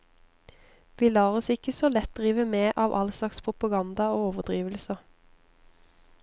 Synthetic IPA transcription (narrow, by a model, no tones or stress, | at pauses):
ʋiːlɑːʁɔsɪkəsoːlɛt̪̚d̪ʁiːʋəmeːʔɑːʋʔɑlslɑkspʰʁʊpɑɡɑnd̪ɑoːoːʋəʁd̪ʁiːʋlsəʁ